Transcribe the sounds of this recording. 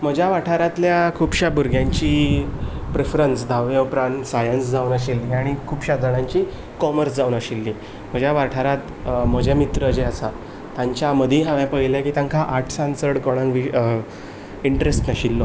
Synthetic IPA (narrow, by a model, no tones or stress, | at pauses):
m̤əd͡ʑʱjaʋaʈʰaɾat̪ljakʰuːbɕabuɾɡʱjãɲt͡ɕiː | pɾefɾənsd̪ʱaʋeupɾãɳʈsajənsd͡zʱaunəɕilːiaɽ̃ikʰuːbɕad̪ʱəɽ̃ãɲt͡ɕiː | kɔməɾsd͡zawnəɕilːi | m̤əd͡ʑʱjaʋaʈʰaɾat̪ | m̤əd͡ʑʱamit̪ɾəːd͡ʑeasa | t̪jãɲt͡ɕjaməd̪ʱiɦãʋɛ̃pəɦilakiːt̪ãŋkʰaʔaʈʰsãnsəɽkoɽ̃ãŋkʋi | iɳʈɾesʈnəɕilːo